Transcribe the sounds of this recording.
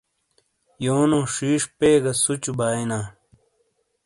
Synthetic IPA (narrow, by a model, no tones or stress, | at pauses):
joːnõːʂiːʂpeːɡɐsut͡ɕubaːinaː